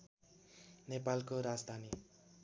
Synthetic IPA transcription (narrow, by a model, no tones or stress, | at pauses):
nepalkoɾad͡zd̪ʱani